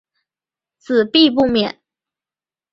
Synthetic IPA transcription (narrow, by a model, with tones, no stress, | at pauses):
t͡sɹ̩˨˩pi˥˧p̬u˥˩mjɛ˨˩˦n